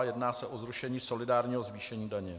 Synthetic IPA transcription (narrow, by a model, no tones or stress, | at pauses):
jɛdnaːsɛʔozɾuʃɛɲiːso̞lɪdaːɾɲiːɦo̞zviːʃɛɲiːdaɲɛ